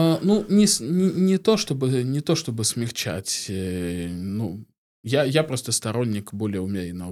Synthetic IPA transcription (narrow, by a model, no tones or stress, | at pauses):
nunʲɪsnʲɪnʲɪt̪o̞ʂt̪o̞bɨnʲɪt̪o̞ʂt̪o̞bɨsʲmʲɪxt͡ɕæ̰tʲ | nu | jajapɾo̞st̪əst̪ɐɾo̞nʲːɪkbolʲɪjəʊmʲeɾʲɪnə